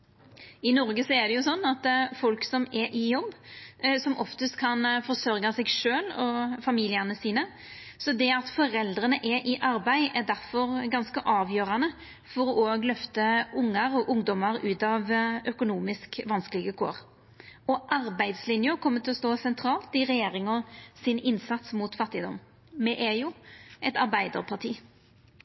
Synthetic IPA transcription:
ɪnɔɾɡəsɔɛd̪ɛjʊsɔnːɑt̪fɔlksɔmɛɾʔɪjɔbːsɔmʔɔft̪əst̪kʰɑnfɔsœɾɡɑsɛɡʂøːlɔfɑmiːlɪənəsiːnə | sɔd̪ɛɑt̪fɔɾɛld̪ɾənəʔɛʔɪʔɑɾbæɪʔæd̪æɾfɔɾɡɑnskəʔɑːʋjøːɾɑnə | fɔɾɔʔoːɡlœft̪əʊŋːəɾɔʔʊŋd̪ɔməɾʉːt̪ɑʋœkʊnuːmɪskʋɑnskəlɪɡəkʰo̰ːɾ | ɔʔɑɾbæɪd̪slɪnjəkʰɔmːət̪ʰɪlɔst̪oːsɛnt̪ʰɾɑːlt̪ɪʁɛjeːɾɪŋɔsɪnɪnsɑt̪smuːt̪fɑt̪ːɪd̪ɔm | mɛʔæjʊʔɛt̪ɑɾbæɪd̪ə̰ʁpʰɑt̪ʰiː

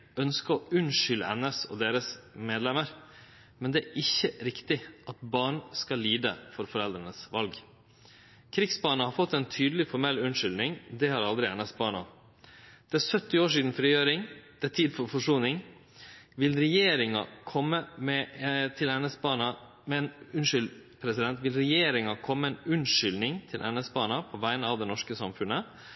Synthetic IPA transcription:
œnskəɔʉnʂʏlə̰ɛnəsɔ̰d̪eːɾəsmeːd̪lɛməɾ | mɛnd̪ɛæʔɪçːəɾɪkt̪ɪʔɑt̪̚bɑːɳskɑlːiːd̪ə̰fɔɾfɔɾɛld̪ɾənəsʋɑlɡ | kʰɾɪksbɑːɳəhɑɾfɔt̪ːɛːnt̪ʰyːd̪l̩ɪfɔɾmɛlʉnʂʏlnɪŋd̪ɛhɑɾɑld̪ɾɪɛnəsbɑːɳɑ̰ | d̪̥ɛæsœt̪ːɪoːʂ̬iːd̪n̩fɾiːjøːɾɪŋd̪̥ɛt̪ʰiːd̪fɔɾfɔʂuːnɪŋ | ʋɪlɾɛjeːɾɪŋɑ̰kʰɔmːəmɛt̪ʰɪlɛnɛsbɑːnɑ | mɛnʉnʂʏlpʰɾɛsɪd̪ɛnt̪ʋɪlɾɛjeːɾɪŋɑkʰɔmːəɛnʉnʂʏlnɪŋt̪ʰɪlʔɛnɛsbɑːnɑpʰɔʋæɪnəɑːʋd̪ɛnɔʂkəsɑmfʉnə

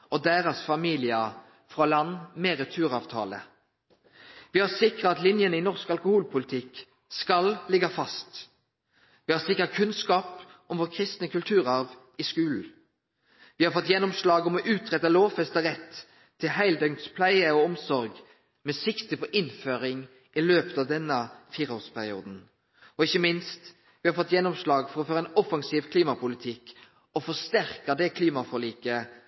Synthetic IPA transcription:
ɔd̪æːʁɑsfɑmiːlɪɑ | fʁɑlɑnːmeɾɛt̪ʰʉːʁɑːʋt̪ʰɑ̰ːlə̰ | ʋiːhɑʁsɪkʁətɑt̪lɪnjənəiːnɔʁskɑlkʊhuːlpʰʊlɪt̪ʰɪk | skɑllɪɡɑfɑst̪ | ʋiːhɑʁsɪkʁətkʰʉnskɑːpɔmʋoːʁkʰʁɪst̪nəkʉlt̪ʰʉːɾɑʁʋ | ɪskʉːln̩ | ʋɪhɑɾfɔt̪ːjɛnːɔmslɑːɡɔmɔʔʉːt̪ʰʁɛt̪ːɑloːʋfɛst̪əʁɛt̪ʰː | ɪlhæɪld̪œŋt̪spʰlæɪəɔɔmsɔɾɡ | mɛsɪkt̪əpʰɔʔɪnføːɾɪŋ | ʔɪløːpət̪ɑːʋd̪ɛnːəfiːɾoːʁspʰæʁɪṵːd̪n̩ | ɔɪçːəmɪnst̪ | ʋɪhɑɾfɔt̪ːjɛnːɔmslɑːɡfɔɾʁɔføːɾəɛnɔfɑŋsiːʋkʰliːmɑpʊlɪt̪ʰɪk | ɔfɔst̪æʁkəd̪ɛkʰliːmɑfɔliːkə

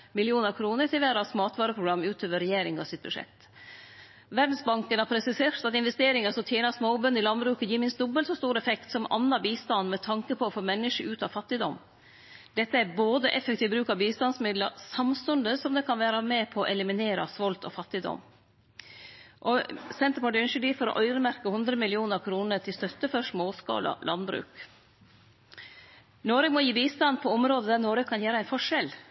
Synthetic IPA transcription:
mɪlɪuːnɑkʰɾuːnət̪ʰɪlʋæːɾɑsmɑːt̪ʰʋɑːɾəpʰɾʊɡɾɑmːʉːt̪ʰøːʋəɾɛjeːɾɪŋɑsɪt̪̚bʉʂɛ̰k̚t̪ | ʋæɖ̪n̩sbɑŋkənhɑpʰɾɛsɪseːɾt̪ɑt̪ɪnʋɛst̪eːɾɪŋəsɔt̪ʰjeːnɑsmoːbœnːɪlɑnbɾʉːkəjiːmɪnsd̪ʊbːəlsɔst̪uːɾɛfɛkt̪sɔmɑ̰nːɑbiːst̪ɑnːmɛt̪ʰɑŋkəpʰɔɔfoːmɛnːɪʂəʔʉːt̪ɑʋfɑt̪ːɪd̪ɔ̰mː | d̪̥ɛt̪ːəæboːd̪əʔɛfɛkt̪ʰiːʋbɾʉːkɑʋbiːst̪ɑnsmɪd̪ləsɑmst̪ʉnd̪əsɔmd̪ɛkʰɑnʋæːɾəmɛpʰɔʔɛlɪmɪneːɾɑsʋɔlt̪ɔ̰fɑt̪ːɪd̪ɔ̰mː | ʔɔsɛnt̪əɾpɑʈʉnʃəɖiːfɔɾɔ̰ʔœʏɾəmæɾkəhʉnd̪ɾəmɪlɪuːnəɾkʰɾuːnəɾt̪ʰɪlst̪œt̪ːəfɔɾʂmoːskɑ̰ːlɑ̰lʔɑ̰nbɾʉ̰ːk | noːɾəmɔjiːbiːst̪ɑnpʰɔɔmɾoːd̪əd̪æɾnoːɾəkʰɑnjæːɾəæɪnfɔʂɛl

